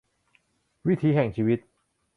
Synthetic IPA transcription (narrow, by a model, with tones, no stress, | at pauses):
wi˦˥t̪ʰiː˦˥ɦɛ˨˩ŋt͡ɕʰiː˦˥wi˦˥t̪̚